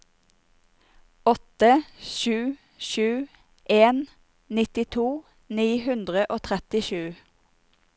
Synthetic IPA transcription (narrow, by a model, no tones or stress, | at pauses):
ɔt̪əʃʉː | ʃʉː | ʔeːn | nɪt̪ɪt̪ʰuː | niːhʉnd̪ʁəʔoːt̪ʰʁɛt̪ɪʃʉː